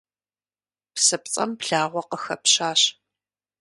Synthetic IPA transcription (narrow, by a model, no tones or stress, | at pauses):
psɨp̚t͡sʼɐ̰mpɬaːʁʷɔqəxɐpɕaːɕ